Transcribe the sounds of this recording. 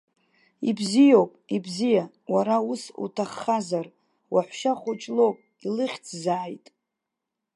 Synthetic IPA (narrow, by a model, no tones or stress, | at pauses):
ibzijowpʼibzija | waɾausṵtʰaχːazar | waħʷʃaχʷʊt͡ʃʼlowpʼ | ilɨχʲt͡sʰzaːjtʼ